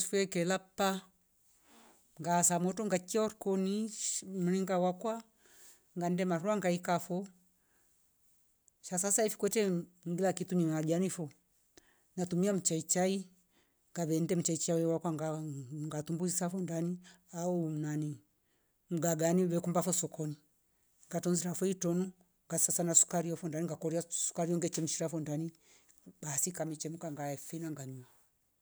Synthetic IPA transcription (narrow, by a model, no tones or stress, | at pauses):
fwɛkɛlapa | ŋɡasamɔtɔŋɡakiɔɾkɔnim̩ɾiŋɡawakwa | ŋɡandɛmaɾuaŋɡaikafɔ | ʃasasaifi̥kwɛtɛŋɡilakituɲiad͡ʒanifɔ | natumiam̩t͡ʃait͡ʃai | ŋɡaβɛndɛm̩t͡ʃait͡ʃawɛwakwaŋɡaŋɡatumbusisafɔndani | aunani | m̩ɡaɡaniwɛkumbafɔsɔkʰɔni | ŋɡatɔnziɾafɔitɔnu | ŋɡasasanasu̥kaɾiɔfɔndaniŋɡakɔɾiasu̥kaɾiɔŋɡɛt͡ʃɛm̩ʃiɾafɔndani | ɓasikamɛt͡ʃɛmukaŋɡaɛfinaŋɡaɲia